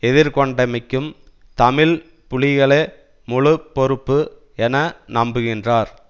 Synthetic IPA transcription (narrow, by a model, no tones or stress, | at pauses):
ɛðɪɾkɔɳɖɐmɪkːɯm | t̪ɐmɪl | pʊɭɪɣɐɭe | mʊɻɯpːɔɾɯpːɯ | ɛnɐnɐmbɯɣɪndraːɾ